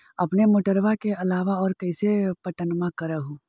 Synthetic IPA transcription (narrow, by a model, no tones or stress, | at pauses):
ɐpnemoːʈəɾʋakeɐlaːʋaɔːɾkɐisepɐʈənmãkɐɾaɦũ